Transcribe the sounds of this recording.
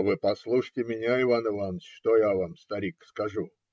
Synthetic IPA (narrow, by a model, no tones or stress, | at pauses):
vɨpɐslˠuʂɨtʲɪmʲɪnʲaɪvanɨvansʂt̪ojavamst̪ɐɾʲikskɐʐu